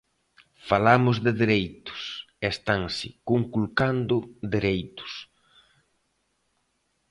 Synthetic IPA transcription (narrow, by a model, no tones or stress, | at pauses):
falamʊzðɪðeɾejt̪ʊ̥s | est̪aŋsɪkuŋkulkand̪ʊd̪eɾejt̪ʊ̥s